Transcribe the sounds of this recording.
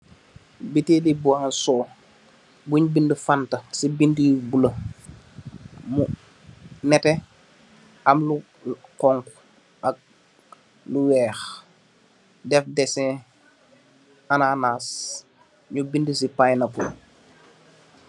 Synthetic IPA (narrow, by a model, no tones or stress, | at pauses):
bitelibuansɔː | buɲbindəfantɐsibindijubulɐ | mu | nɛtɛ | ɐmlu | qɔŋk | ɐk̚ | luwɛːx | dɛfdɛsɛ̃ | anaːnaːs | ɲubindəsipajnɐpṵ